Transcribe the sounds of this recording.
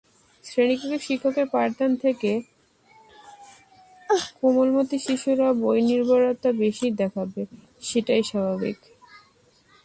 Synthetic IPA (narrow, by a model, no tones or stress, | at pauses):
sɾenikokeʃikʰːokeɾpaɾt̪ant̪ʰeke | komolmot̪iʃiʃuɾabojniɾbaɾot̪abeʃid̪ɛkʰabe | ʃeʈajʃabʱabḭk